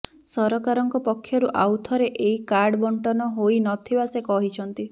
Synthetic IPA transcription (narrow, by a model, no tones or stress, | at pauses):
sɔɾɔkaɾɔŋkɔpɔkʰːjɔɾuʔawt̪ʰɔɾeʔeikaɾɖbɔɳʈɔnɔɦoinɔt̪ʰibasekɔɦit͡ʃʰɔnt̪i